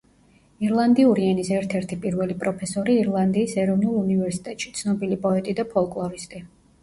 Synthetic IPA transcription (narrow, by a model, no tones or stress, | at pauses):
iɾlˠand̪iuɾiɛnisɛɾt̪ʰɛɾt̪ʰipʼiɾvɛlipʼɾɔpʰɛsɔɾiːɾlˠand̪iːsɛɾɔvnulˠunivɛɾsi̥t̪ʼɛt̪ʼʃi̥t̪sʰnɔbilipʼɔɛt̪ʼid̪apʰɔlˠkʼlˠɔɾist̪ʼi